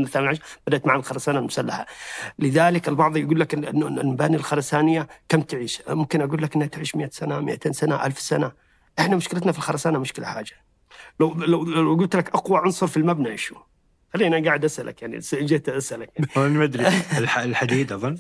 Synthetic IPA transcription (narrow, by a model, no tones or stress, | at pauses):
naθamanʕaʃɾb̥ad̪aʔt̪maʕaalxɑɾˤɑsaːnalmʊ̥salːaħa̰lɪðaːlɪkɪlbɑʕðˤjɡuːlːakʔʔanːalmabaːnilxɑɾˤɑsaːnɪjːakamt̪ɪʕiːʃmʊmkɪnʔaɡuːlːakʔɪnhat̪ʕiːʃmɪʔasanamɪ̰ʔat̪eːnsanaʔalfsana | ʔɪħnamʊʃkɪlat̪nafilxɑɾˤɑsaːnamʊʃkɪla̰ħa̰ːd͡ʒḁ | lawlawɡʊl̚t̪lakʔɑqwaʕʊnsˤɑɾˤfilmabnaʔɪʃu | xalːiːʔnaɡaːʕɪd̪ʔasʔa̰lʔa̰kjaʕnḭd͡ʒɪht̪ʔasʔalakjaʕianmad̪ɾialħad̪iːd̪ɑðˤɑn